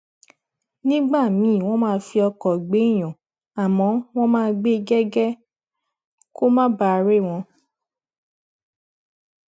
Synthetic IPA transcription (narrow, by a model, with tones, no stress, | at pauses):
nĩ˦ɡ͡ba˦˨mĩ˨˦˨w̃ɔ̃˦mãː˦˧˦fi˧ɔ˧kɔ˨ɡ͡be˨˦i˦˨j̃ɔ̃˨ | a˨mɔ̃˨˦w̃ɔ̃˦mãː˦˧ɡ͡be˦ɡɛ˦ɡɛ˦ | ko˦mã˦ba˧˨˧ɾe˦˨w̃ɔ̃˧